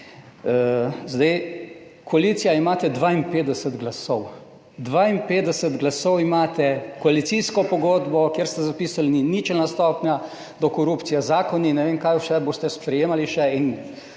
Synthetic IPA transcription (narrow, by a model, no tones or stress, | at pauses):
zd̪ɛjkoaliːt̪sijaimaːt̪ɛd̪ʋaːinpeːd̪ɛsəd̪ɡlasɔw | d̪ʋaːinpeːd̪ɛsət̪ɡlasɔwimaːt̪ɛkɔalit̪siskɔpɔɡoːd̪bɔkjeɾst̪ɛzapiːsalninit͡ʃɛlnast̪ɔːpnʲja | d̪ɔkɔɾuːpt̪sijazaːkɔninɛʋeːmkajʃɛboːst̪ɛspɾɛjeːmaliʃɛin